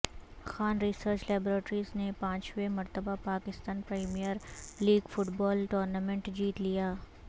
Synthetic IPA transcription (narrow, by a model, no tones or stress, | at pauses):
xaːnɾisəɾt͡ʃlɛːbɾeːʈɾiznepãːt͡ʃʋemɐɾt̪əbapaːkɪst̪aːnpɾeːmijəɾliːɡfʊʈbɔːlʈoːɾnamẽɳʈd͡ʒiːt̪lijaː